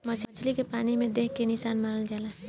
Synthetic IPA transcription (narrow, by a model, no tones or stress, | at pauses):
mɐt͡ʃt͡ʃʰlikepaːnimẽd̪eːkːenɪsaːnmaɾəld͡ʒaːla